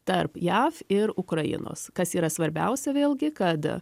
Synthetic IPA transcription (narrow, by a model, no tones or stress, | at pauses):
t̪ɐɾpjæːfɪɾʊkɾɐjɪ̰no̰ːskɐsiːɾɐsʋɐɾʲbʲɛ̰ʊsʲɛʋʲeːlˠʲɡʲɪkɐt̪